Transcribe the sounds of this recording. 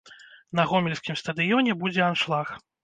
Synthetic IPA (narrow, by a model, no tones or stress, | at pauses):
nɐɣɔmʲɛlʲsʲkʲimst̪ɐd̪ɨjɔnʲɛbud͡zʲɛanʂlˠax